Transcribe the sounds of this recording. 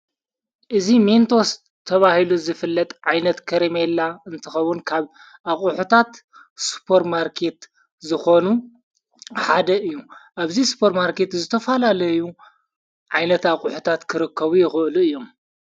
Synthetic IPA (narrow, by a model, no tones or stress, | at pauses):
ʔɨziment̪ʰos | t̪ʰɐβahiluzɨfɨlːɐt̪ʼʕajnɐt̪kʰɐɾemelːaɨnt̪ʰɨxɐwʊnkʰaβ | ʔaχʼuħut̪ʰat̪ | su̥pʰɐɾmaɾkʰe̞t̪ | zɨxonu | ħad̪ɐʔɨjːuʔaβzisu̥pʰɐɾmaɾke̞t̪zɨt̪ʰɐfɐlalɐju | ʕajnɐt̪aχʼuħut̪ʰat̪kʰɨɾɨkʰːɐβujɪxɨʔluɨjːo̞m